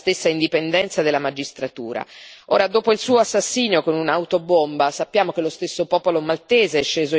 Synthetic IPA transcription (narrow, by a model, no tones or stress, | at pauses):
st̪esːaind̪ipend̪ɛnt̪sad̪elːamad͡ʒist̪ɾat̪ṵːɾa̰o̰ːɾad̪oːpoilsuːoasːasːiːnjokonunawt̪obombasapːjaːmokelːost̪esːopɔːpolomalt̪eːzeɛʃːeːzo